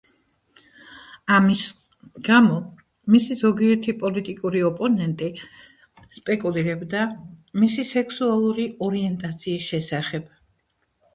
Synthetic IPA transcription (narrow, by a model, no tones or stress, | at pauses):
amis | ɡamɔ | misizɔɡiɛɾt̪ʰipʼɔlit̪ʼikʼuɾiɔpʼɔnɛnt̪ʼi | spʼɛkʼuliɾɛbd̪amisisɛkʰsualˠuɾiɔɾiɛnt̪ʼat̪sʰiːsʃɛsaχɛb̥